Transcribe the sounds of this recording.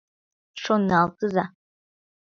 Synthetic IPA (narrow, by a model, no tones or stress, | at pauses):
ʂonalˠt͡sʼɨza